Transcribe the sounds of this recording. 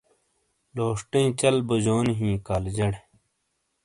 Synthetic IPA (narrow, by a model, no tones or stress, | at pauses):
loːʂʈẽĩt͡ɕɐlbɐd͡ʑoːnɦĩːkaːld͡ʑɐɽ